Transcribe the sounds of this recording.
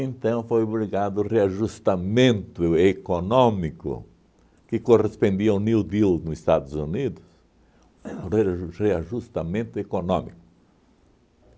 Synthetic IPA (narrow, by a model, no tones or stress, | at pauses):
ẽnt̪ɐ̃w̃fojoβɾiɡad̪ʊreaʒust̪amẽnt̪ʊekonɔ̃mikʊ̰ | kɪkorespõnd̪iɐũnild̪ilnʊzist̪ad̪ʊzunid̪ʊs | rereaʒust̪amẽnt̪ʊekonɔ̃mikʊ̥